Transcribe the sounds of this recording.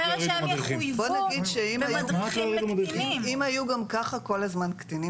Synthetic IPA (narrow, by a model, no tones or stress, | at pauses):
ibonaɡid̪ʃeimajuatloʁidmdeiimajuɡamkaχako̞lazmankt̪ini